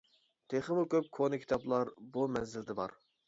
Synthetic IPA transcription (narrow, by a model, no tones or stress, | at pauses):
t̪ʰeχəmukʲʰøp̚kʰonɨkʲʰi̥t̪ʰɑplˠɑɾbumɛnzɪld̪ɪbɑ̰ɾ